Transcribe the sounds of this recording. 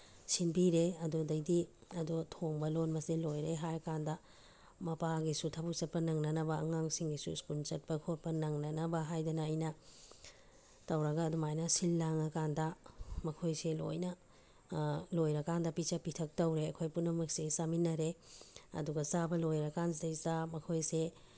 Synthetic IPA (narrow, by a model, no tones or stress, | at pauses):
sinbiɾeɐdudɐjdiɐdutʰoŋbɐlonbɐsilojɾeɦajɐkandɐ | mɐpaɡisutʰabuk̚t͡ʃɐt̚pɐnɐŋnɐnɐbɐɐŋaŋsiŋɡisṵskult͡ʃɐt̚pɐkʰot̚pɐnɐŋnɐnɐbɐɦajdɐnɐɐjnɐ | tɐwɾɐɡɐːdumajnɐsilːaŋɐkandɐmɐkʰojselo̰jnɐ | lojɾɐkandɐpit͡ʃɐpitʰɐk̚tɐwɾeɐkʰojpunːɐmɐksesaminɐɾeɐ̰duɡɐsabɐlojɾɐkans̬dejstamɐkʰojse